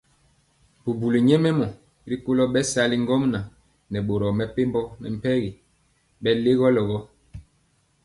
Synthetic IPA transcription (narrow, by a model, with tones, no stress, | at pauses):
bu˨bu˨li˨ɲɛ˦mɛ˦mɔ˨ | ɾi˦po˦lɔ˦ɓɛ˦sa˦li˦ŋ˦ɡɔ˦mna˨ | nɛ˨ɓo˨ɾɔ˨mɛ˨pe˦mbɔ˦nɛ̰˨m̩˨pɛ˦ɣi˨ | ɓɛ˦le˦ɣɔ˦lɔ˨ɣɔ˦